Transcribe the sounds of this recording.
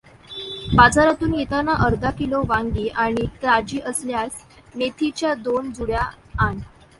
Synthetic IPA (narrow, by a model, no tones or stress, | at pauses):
bad͡zaɾat̪uːnjit̪anaʔəɾd̪ʱakiloʋaŋɡiːʔaɽ̃it̪ɾad͡ʑiːʔəsljas | met̪ʰit͡ɕjad̪ond͡zuɭja | an